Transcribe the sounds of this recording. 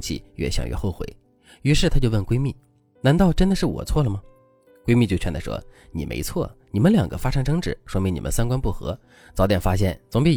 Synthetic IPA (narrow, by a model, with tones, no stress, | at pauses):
t͡ɕʰḭ˥˧˩ɥɛ̰˥˩ɕjɑ̰˨ŋɥʔɛ̰˥˩xo˥˩ʊxwḛ˧˩ɪ | y˧˥ʂɻ̩˥˩t̪ʰa˥t͡ɕjo˥˧ʊwə˥˩nkwe˥ɪmi˥˩ | na˧˥nt̪ɑ˥˩ʊʈ͡ʂə˥nd̪ə˨ʂɻ̩˥˩wɔ̰˨˩t͡sʰwɔ˥˩lə˩mɐ˩ | kwe˥ɪmi˥˧t͡ɕo˥˧ʊt͡ɕʰɥnd̪a˧˩ʂwɔ̰˥nḭ˨˩mḛ˧˥ɪt͡sʰwɔ̰˥˩ni˨˩mə˦nljɑ̰˨˩ŋɡə̰˦fa˥ʂʰa˥ŋʈ͡ʂɤ˧˥ŋʈ͡ʂɻ̩˨˩˦ʂwɔ˥mi˧˥ŋni˨˩mə̰˧˦nsa˥nkwa˥npu˥˩xɤ̰˧˥ | t͡sɑ˧˥ʊt̪jɛ˨˩nfa˥ɕjɛ˥˩nt͡sʊ˧˥ŋpi˧˥